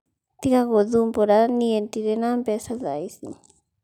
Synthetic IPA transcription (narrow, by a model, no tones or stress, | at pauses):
t̪ikaɣoðumpoɾanient̪iɾenampesaðajsi